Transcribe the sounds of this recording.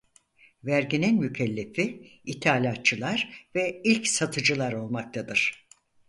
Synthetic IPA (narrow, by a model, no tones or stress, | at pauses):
væɾɟininmycʰɛlʲːefiit̪ʰaːlʲat̪̚t͡ʃʰɯlˠaɾvɛilʲcsat̪ʰɯd͡ʒɯlˠaɾo̞lˠmak̚t̪ʰad̪ɯɾ̥